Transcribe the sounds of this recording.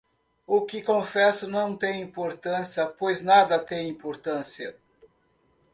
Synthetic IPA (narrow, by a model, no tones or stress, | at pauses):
ʊkɪkõfɛsʊnɐ̃w̃t̪ẽj̃ĩpoɾt̪ɐ̃siɐpojznad̪ɐt̪ẽj̃ĩpoɾt̪ɐ̃siɐ